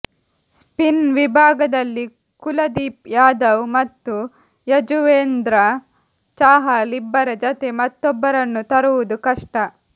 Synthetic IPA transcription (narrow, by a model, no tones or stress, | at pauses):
spinʋibʱaːɡɐd̪ɐlːi | kulɐd̪iːp̚jaːd̪ɐwmɐt̪ːu | jɐd͡ʒuʋeːnd̪ɾɐ | t͡ʃaːɦaːlibːɐɾɐd͡ʒɐt̪emɐt̪ːɔbːɐɾɐnːut̪ɐɾuʋud̪ukɐʂʈɐ